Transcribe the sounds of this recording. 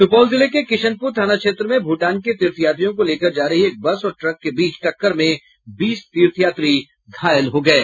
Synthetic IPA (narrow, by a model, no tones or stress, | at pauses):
sʊpɔːlzɪlekekɪʃənpuːɾt̪ʰaːnakʃeːt̪ɾəmẽbʱuːʈaːnket̪iːɾt̪ʰijaːt̪ɾijõkoleːkəɾd͡ʒaːɾəɦieːk̚bɐsɔːɾʈɾɐkːebiːt͡ʃʈɐkːəɾmẽ | biːst̪iːɾt̪ʰijaːt̪ɾi | ɡ̪ʱaːjəlɦoɡɐeː